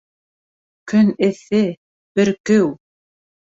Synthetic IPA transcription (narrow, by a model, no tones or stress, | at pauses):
kɵnɘ̆θɘ | b̥ɘɾkɘw